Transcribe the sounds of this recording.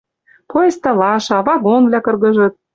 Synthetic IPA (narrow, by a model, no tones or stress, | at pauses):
pojest̪ɑlɑʃɑβɑɣonvlʲækɤ̆rɣɤ̆ʒɤ̆t̪̚